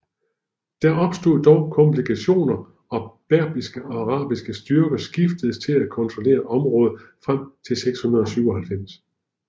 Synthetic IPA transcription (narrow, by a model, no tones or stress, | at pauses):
d̥æɐɒ̽b̥sd̥o̝̰ðˠd̥ɒʊkʰɒ̽mpʰlikʰæɕo̝̰ːnɐ | ɒ̽b̥æɐ̰b̥isɡ̥əɑ̈ʁɑ̰̈ːb̥isɡ̥əsd̥yɐɡ̥ɐsɡ̥ifd̥əð̩ˠst͡sʰe̝lækʰɒ̽nt͡sʰʁole̝̰ːɐʔɒ̽mʁɔ̽ːð̞̩ˠfʁam̰t͡sʰe̝lseɡ̥shunɐð̞ˠɒ̽syʊɒ̽ɦælfem̰s